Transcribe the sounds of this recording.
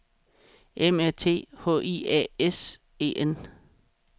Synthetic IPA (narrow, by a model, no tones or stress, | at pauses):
ʔemæɐt͡sʰe̝̰ːhɔ̰ːʔiɛ̰ːes | e̝̰ːʔen